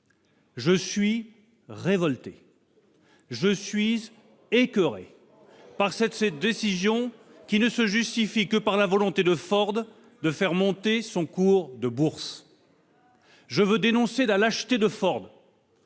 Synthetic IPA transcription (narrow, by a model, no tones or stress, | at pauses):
ʒəsɥi | ʁevɔlt̪e | ʒəsɥiz | ekʲøʁḛ | paʁsɛt̪d̪esizjɔ̃ | kʲinəsəʒyst̪ifikəpaʁlavɔlɔ̃t̪ed̪əfɔʁd̪ | d̪əfɛʁmɔ̃t̪esɔ̃kuʁd̪əbuʁs | ʒəvød̪enɔ̃sedalaʃt̪ed̪əfɔʁd̪